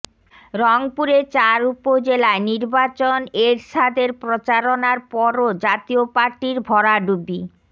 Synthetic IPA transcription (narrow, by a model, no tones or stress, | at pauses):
ɾɔŋpuɾet͡ɕaɾupod͡ʑelaeniɾbat͡ɕoneɾʃad̪eɾpɾot͡ɕaɾonaɾpɔɾod͡ʑat̪iopaɾʈiɾbʱɔɾaɖubi